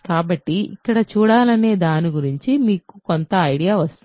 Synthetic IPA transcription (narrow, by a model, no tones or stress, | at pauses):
kaːbɐʈːiḭkːɐɽɐt͡ʃuːɽaːlɐne̞ːd̪aːniɡuɾiɲt͡ʃimiːkukont̪ɐːjɽijaːʋɐst̪uni